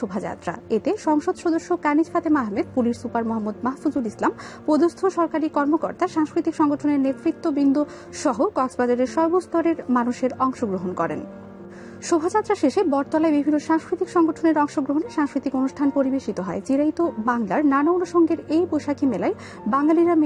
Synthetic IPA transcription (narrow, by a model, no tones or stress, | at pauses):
ʃobʱad͡ʑa̰t̪ːɾa̰et̪eʃɔŋʃod̪ʃod̪oʃːokanid͡ʑfat̪emaɦmed̪̚puliʃsupaɾmoɦamːod̪maɦfud͡ʑulislampod̪ost̪ʰoʃɔɾkaɾikɔɾmoko̰ɾt̪aʃaŋskɾit̪ikʃɔŋɡoʈʰoneɾnet̪ɾit̪ːobind̪o | ʃɔɦokɔksbad͡ʑaɾeɾʃɔɾbost̪ɔɾeɾmanuʃeɾɔŋʃoɡɾoɦonkɔɾḛn | ʃobʱat͡ɕat̪ːɾaʃeʃebɔɾt̪ɔlaebibʱinːoʃaŋskɾit̪ikʃɔŋɡoʈʰoneɾɔŋʃoɡɾoɦoneʃaŋskɾit̪ikonuʃʈʰanpoɾibeʃit̪oɦɔet͡ɕiɾait̪obaŋlaɾnanaonuʃɔŋɡeɾejbojʃakʰimelaej | baŋlaliɾam